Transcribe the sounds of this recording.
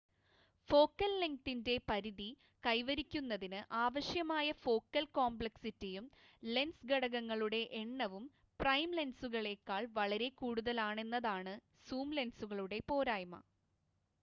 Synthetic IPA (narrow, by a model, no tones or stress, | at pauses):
fo̞ːkːɐlliŋk̚t̪inde̞pɐɾiði | kɐjʋɐɾikʲːunːɐðinɨʔaːʋɐɕjɐmaːjɐfo̞ːkːɐlkoːmbɭɐksitːijum | le̞nsɡɐɽɐɣɐŋːɐɭuɽe̞ʔeɳːɐʋum | prɐjmle̞nsuɣɐɭe̞kːaːɭʋɐɭɐɾe̞kuːɽuðɐlaːɳe̞nːɐðaːɳɨ | suːmle̞nsuɣɐɭuɽe̞po̞ːɾaːjmɐ̰